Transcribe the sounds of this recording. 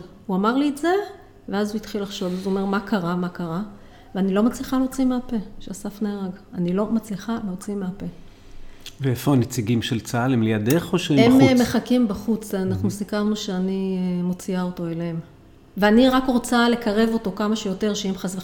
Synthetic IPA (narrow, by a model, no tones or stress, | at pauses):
uamaʁlieze̞ | veazuitχilːaχʃo̞vazuome̞ʁmakaʁamakaʁa | veanilo̞mat͡sliχaleot͡simeape̞ʃeasafneaʁaɡanilo̞mat͡sliχaleot͡simeape̞ | veefoanet͡siɡimʃelt͡saalemlejadeχoʃeemmeχakimbaχut͡sanaχnusikaʁnuʃeanimo̞t͡siaoto̞eleem | veaniʁakʁo̞t͡sale̞kaʁe̞vo̞to̞kamaʃejo̞te̞ʁʃeemχasve